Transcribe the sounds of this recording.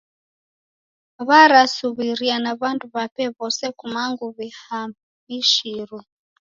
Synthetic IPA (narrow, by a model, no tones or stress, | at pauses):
βaɾasuβiɾianaβanduβapɛβɔsɛkumaŋɡuβiha | miʃiɾɔ